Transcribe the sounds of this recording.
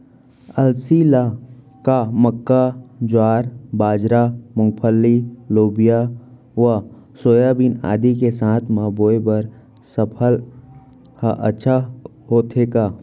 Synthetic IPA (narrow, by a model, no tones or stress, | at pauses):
əlsila | kaməkːad͡ʒʊaːɾbaːd͡ʒɾamʊ̃ŋɡpʰəlːiloːbija | ʋə | soːjabina̰ːd̪ikesãːt̪ʰmaːboːebəɾ | səpʰəl | haʔə̰ːʃʰa | ɦoːt̪ʰekaː